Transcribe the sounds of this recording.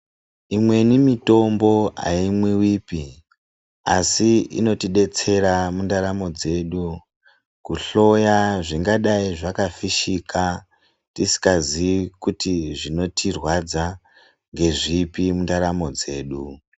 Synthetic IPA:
imwe̞nimito̞mbo̞a̰imwewipi | asiḭno̞tiɗe̞t͡se̞ɾamundaɾamo̞d͡ze̞ɗu | kuɬo̞jaʐiŋɡaɗaiʐakafiʃika | tisi̥kazikutiʐino̞tʰirwad͡za | ŋɡe̞ʐipimundaɾamo̞d͡ze̞ːɗu

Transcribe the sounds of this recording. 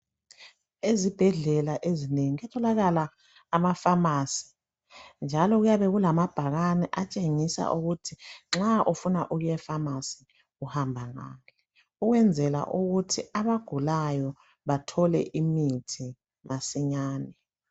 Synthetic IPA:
ezib̥ʱɛɮɛlaʔezineŋiɛtʰɔlaɣalaː | mafamaːsi̥ | nd͡ʒʱalɔɣujaβɛɣulamab̥ʱaɣanɛʔat͡ʃʼeŋisa̰ʔuɣutʰiŋ͡ǁaʔufunaʔuɣujɛfamasi̥ | ɣuhambʱaŋa̰lɛ | uɣwɛnd͡zʱɛla̰ʔuɣutʰiaβaɡ̥ʱulajɔ | βatʰɔlɛ̰ʔimitʰi | masiɲaːnɛ

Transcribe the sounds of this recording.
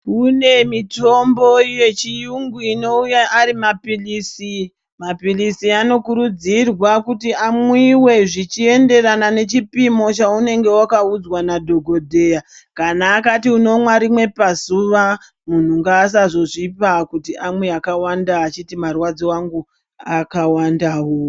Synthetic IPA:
une̞mito̞mbo̞ije̞t͡ʃijuŋɡuino̞ujaʔːɾimapiliːsi | mapilisiano̞kuɾud͡zirwakutiamwiwe̞ʐit͡ʃie̞nde̞ranane̞t͡ʃipimo̞t͡ʃaune̞ŋɡe̞wakaud͡zwanadʱo̞ɡʱo̞dʱe̞jakanaːkatiuno̞mwaɾimwe̞pazuʋa | mun̤uŋɡaːs̬aʐo̞ʐipakutiʔamwe̞akawandaːt͡ʃitimarwad͡ziwaŋɡu | akawandaɦo

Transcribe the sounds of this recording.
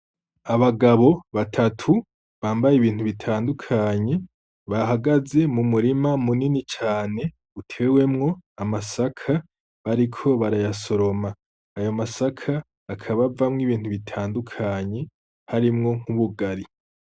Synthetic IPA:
aβaɡaβo̞βatʰatʰu | βaːmbajeβiːntuβitʰaːndukʰaɲe̞ | βaɦaɡaze̞mumuɾimamuninit͡ʃaːne̞ | utʰe̞ːwe̞mŋo̞amasakʰa | aɾikʰo̞βaɾajaso̞ɾo̞maː | jomasakʰaː | kʰaβavamŋiβiːn̥huβitʰaːndukʰaɲe̞ | haɾimŋo̞ŋ̥huβuɡaɾi

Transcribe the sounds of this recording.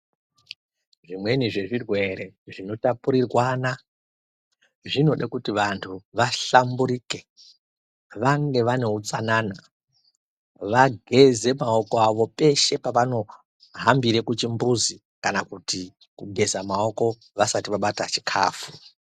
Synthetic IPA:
ʐimwe̞niʐe̞ʐirwe̞ɾe̞ʐino̞tapuɾirwaːna | ʐino̞ɗakutiʋantʰuʋaɬambuɾiːke̞ | ʋaŋɡe̞ʋane̞ɦut͡sanaːna | ʋaɡʱe̞ze̞maoko̞aʋo̞pe̞ʃe̞paʋano̞ | ɦambiɾekut͡ʃimbuzi | kanakuti | kuɡʱe̞zamao̞ko̞ | ʋasatiʋaɓatat͡ʃi̥kʰa̰ːfu̥

